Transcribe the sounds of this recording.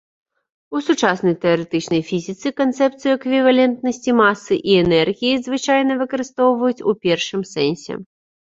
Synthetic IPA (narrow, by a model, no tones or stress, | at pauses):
usut͡ʂasnɐjt̪ɛɐɾɛt̪ɨt͡ʂnɐjfʲizʲit̪sɨkɐnt̪sɛp̚t̪sɨjuɛkvʲivalʲɛnt̪nɐsʲt͡sʲimasːɨʔiɛnɛrɣʲijizvɨt͡ʂajnɐvɨkɐɾɨst̪ɔwvɐjut͡sʲupʲɛrʂɨmsɛnʲsʲɛ̰